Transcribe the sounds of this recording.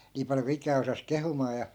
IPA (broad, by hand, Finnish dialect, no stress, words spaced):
niː pɑljo ku ikˑæː osɑs kehumɑː jɑ